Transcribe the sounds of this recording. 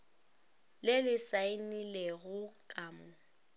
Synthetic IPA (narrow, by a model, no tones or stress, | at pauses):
lɪlɪsaɪnileɣʊkʼaːmʊ